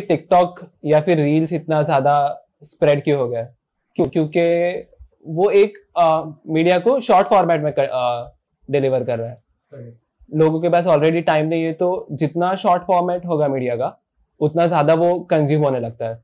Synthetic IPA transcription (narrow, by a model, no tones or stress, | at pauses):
ʈɪk̚ʈɔːkjafɪɾːiːlsɪt̪nazjaːd̪a | spɾɛːɖkjiɦoːɡɐja | kjõːkjõːke | ʋoeːk | miːɖijakoʃɔːɾʈfɔːɾmɛːʈmẽɐ | ɖɪlɪʋəɾkɐɾːaɦɛː | loːɡõkebaːsɔːlɾeːɖiʈaːɪmnɐ̃ɦĩɦɛt̪od͡ʒɪt̪naʃɔːɾʈfɔːɾmɛːʈɦoːɡamiːɖijaka | ʊt̪nazjaːd̪aʋokɐ̃nzjuːmɦoːnelɐɡ̚t̪aɦɛː